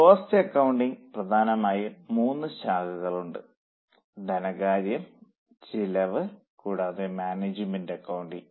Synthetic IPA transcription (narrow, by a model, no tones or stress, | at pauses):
poːstɨɐkːɐwuɳɖiŋprɐd̪ʱaːnɐmaːjɐmuːnːɨɕaːɡɐɣɐɭuɳɖɨ | d̪ʱɐnɐɣaːɾjɐm | t͡ɕilɐʋɨ | kuːɽaːðemaːneːd͡ʑɨmendɐkːɐwuɳɖiŋ